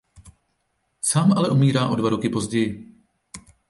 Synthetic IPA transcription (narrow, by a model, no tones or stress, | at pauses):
saːmʔalɛʔumiːɾaːʔo̞dvaɾokɪpo̞zɟɛjɪ